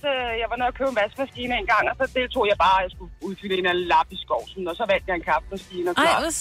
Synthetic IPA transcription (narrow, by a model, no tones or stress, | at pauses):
øjɑ̈ɪʋɑ̈no̝ðˠɐkʰøʊenʋæsɡ̥mæsɡ̥iːnɐenɡ̥ɑ̈ŋ̰ɒ̽sɒ̽d̥e̝lt͡sʰo̝̰ːjɑ̈ɪb̥ɑ̈ːjɑ̈ɪsɡ̥uuðˠfyləenænəlɑ̈b̥isɡ̥ɒʊ̰sɔnnːɔsɒ̽ʋæl̰d̥jɑ̈e̝nkʰɑ̈fd̥mæsɡ̥iːnɒk